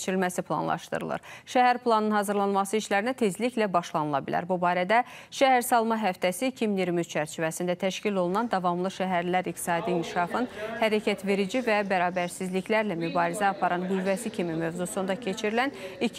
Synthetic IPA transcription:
t͡ʃʰiɾilmæsipʰlˠɑ̰nlˠɑ̰ʃt̪ɯ̰ɾɯ̰lˠɯ̰ɾʃæɦæɾplˠɑnɯnhɑzɯɾlˠɑnmɑsɯiʃlæɾinæt̪ʰe̞zliçlæbɑʃlˠɑnɯlˠɑ̰bilæ̰ɾbubɑːɾæd̪æʃæhæɾsɑlˠmɑɦæft̪ʰæsicʰiminiɾmyzt͡ʃʰæɾt͡ʃʰivæsind̪æt̪ʰæʃcilo̞lˠunɑnd̪ɑvɑmlˠɯʃæɦæɾlæɾikt̪i̥sɑːd̪iink̪ʰi̥ʃɑfɯnhæɾæcʰæt̪ve̞ɾid͡ʒivæbæɾɑːbæɾsizliçlæɾlæmybɑːɾizæɑpʰɑɾʔɑnɡyvːæsicʰimimø̞vzusund̪ɑcʰe̞t͡ʃʰiɾilæni

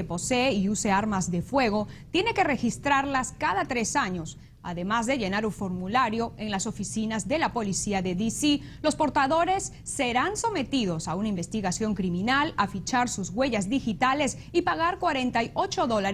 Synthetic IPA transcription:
epo̞seːiuse̞aɾmazðe̞fwe̞ɣ̞o̞t̪je̞ne̞ke̞re̞xist̪ɾaɾlaskaðat̪ɾe̞saɲo̞s | a̰ðe̞mazðe̞ʝe̞naɾufo̞ɾmulaɾjo̞e̞ŋlaso̞fisinazðe̞lapo̞lisiaðeðisi | lo̞spo̞ɾt̪aðo̞ɾe̞sːe̞ɾanso̞me̞t̪iðo̞saunaimbe̞st̪iɣasjo̞ŋkɾimĩnalafit͡ʃaɾsuzɣwe̞ʝazðixit̪ale̞s | ipaɣaɾkwaɾe̞nt̪ajo̞t͡ʃo̞ðo̞laɾ

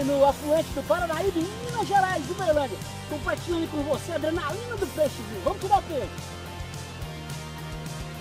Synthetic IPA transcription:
nʊafluẽt͡ʃɪd̪ʊpaɾɐnaibɪmĩnɐʒeɾajzd̪ɪmelɐ̃d͡ʒ̪ɐ | kõpaɾt͡ʃĩɪkõvoseɐd̪ɾenalĩnʊd̪ʊpeʃt͡ʃivĩvɐ̃mʊt̪ud̪aɾkũẽt͡ʃ

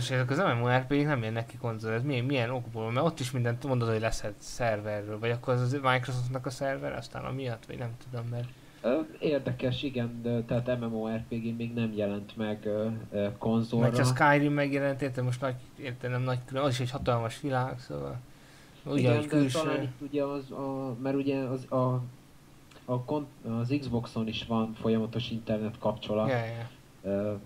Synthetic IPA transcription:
eʃɛzɛkɒzɛmɛmoːɛrpeɡiknɛmjɛnːɛkːiko̞nzoɾɛzmimijɛno̞ɡboːlɒmɛɾo̞t̪ːiʃmind̪ɛnt̪mo̞nd̪ot̪hoɟʲlɛsɛt̪sɛrvɛrːøːlvɒɟɒkːo̞ɾɛzɒzmajkros̬oft̪nɒkɒsɛrvɛɾɛ̰ɒst̪a̰ːnɒ̰mijɒt̪ːʋɒ̰ɟnɛmt̪ud̪o̞mːɛr | øeːrd̪ɛkɛʃiɡɛnt̪ɛaːt̪ɛmɛmoːɛrpeːɡemeːɡnɛmjɛlɛnt̪mɛɡ | ko̞nzomɛrːɒskajrimːɛɡjɛlɛnt̪eːt̪ɛmoʃt̪nɒɟeːrt̪ɛnɛmnɒɟkyløɒziʃhochɒt̪ɒlmɒʃʋilaːɡso̰ːvɒ̰l | uɟɛɛnk̪ylʃt̪ɒlaːnit̪ːuɟɛɒzɒmɛɾuɟɛɒzɒ | ɒkonɒziɡzbo̞kso̞niʃvɒnfo̞jɒmɒt̪oʃint̪ɛrnɛt̪kɒpt͡ʃo̞lɒt̪ɛjɛ | ø

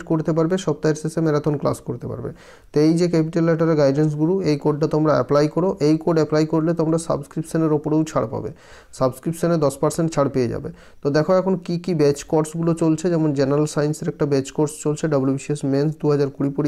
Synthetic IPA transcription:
ʈkoɾt̪ep̬aɾbeʃɔb̚t̪aeɾsesemeɾat̪onkla̰skoɾt̪epa̰ɾbḛ | t̪ejd͡ʑekɛpiʈelːɛʈaɾeɡajɖens̬ɡuluejkoɖ̚ʈat̪omɾaɛ̰plajkoɾoʔejkoɖɛplajkoɾlet̪omɾasa̰bskɾipʈʃoneɾopoɽewt͡ɕʰaɽpa̰bḛ | sabskɾipʈʃoned̪ɔspaɾseɳʈt͡ɕʰaɽpejed͡ʑa̰be | t̪od̪ɛkʰoɛkʰonkikibɛt͡ɕkɔɾsɡulot͡ɕolt͡ɕʰed͡ʑɛmond͡ʑenaɾalsajnseɾɛk̚ʈabɛt͡ɕkoɾst͡ɕolt͡ɕʰeɖabulubiʃiesmensd̪uɦad͡ʑaɾkuɾipoɾi

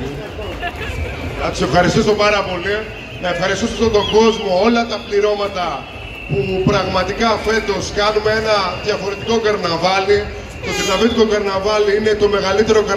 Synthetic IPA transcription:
nɐt̪u̥se̞fxɐɾist̪isopɐɾɐpo̞li | nɐe̞fxɐɾist̪isost̪ot̪o̞ɡo̞zmo̞o̞lɐt̪ɐpliɾo̞mɐt̪ɐ | pupɾɐɣmɐt̪ikɐfe̞nd̪o̞skɐnumeenɐðʝɐfo̞ɾe̞t̪iko̞ɡɐɾnɐvɐli | t̪o̞ðinɐmit̪iko̞ɡɐɾnɐvɐliine̞t̪o̞me̞ɣɐlit̪e̞ɾo̞kɐ

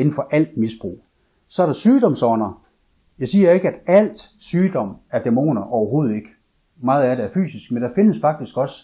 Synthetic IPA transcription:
e̝nn̩fɒ̽ʔæl̰d̥misb̥ʁṵː | sɒ̽æɐɾ̥ɑ̈syːd̥ɒ̽msɒnɐ | jɑ̈ɪsiːɐe̝ɡ̥əæd̥æl̰d̥syːd̥ɒ̽m̰æɐd̥emo̝̰ːnɐʔɒʊɐɦo̝ːð̞̩ˠe̝ɡ̥ə | mɑ̈ːð̞̩ˠæɾ̥eæɐfy̰ːsisɡ̥mend̥ɑ̈fe̝nəsfɑ̈ɡ̥̚d̥isɡ̥ɒ̽s

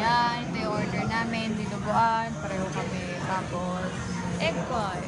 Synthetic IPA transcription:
jahɪnd̪iʔoɹd̪ɛɹnaːmɪnd̪ilʊbʊʔanpɐɾɛːɦokɐmɛ | t̪aːpo | s | ʔɛka

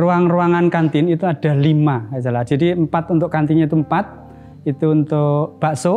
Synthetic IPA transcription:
ruaŋruaŋankant̪ɪnit̪uaɖ̥a̤limakasalahd̥ʒ̥a̤diəmpat̪unt̪ʊʔkant̪iɲeit̪uəmpat̪̚ | it̪uːnt̪ʊb̥a̤ʔso

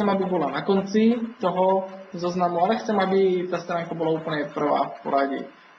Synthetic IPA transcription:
ɛmabibolanakont͡sit̪oɦozoznamualɛxt͡sɛmabit̪ast̪ɾaːŋkabolauːpl̩ɲɛpr̩va̰ːfpo̰ɾaɟɛ̰

